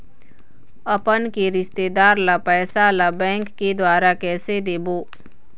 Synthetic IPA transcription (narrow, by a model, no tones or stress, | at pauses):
əpənkeɾɪʃt̪eːd̪aːɾlapɛːsalabɛ̃ːŋkːed̪waːɾakɛːsed̪eːboː